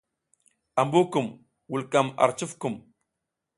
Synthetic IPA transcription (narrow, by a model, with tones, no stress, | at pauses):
a˨mbu˦ku˨m | wu˨lka˨ma̰˨ɾt͡ʃu˦fku˨m